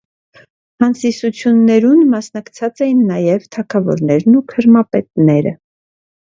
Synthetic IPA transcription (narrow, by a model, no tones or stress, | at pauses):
hɑnsisut͡sʰjunːɛɾunmɑsnɑkt͡sʰɑt͡sɛjinːɑjɛvt̪ʰɑkʰɑvɔ̰ɾnɛɾnukʰəɾmɑpɛt̪nɛɾə̰